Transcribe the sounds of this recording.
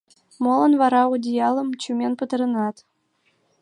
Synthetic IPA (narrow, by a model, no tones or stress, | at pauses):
molˠɤ̆nvɑɾɑud̪ʲijɑlˠɤ̆mt͡ɕumʲenpɯt̪ɤ̆ɾɤ̆nɑt̪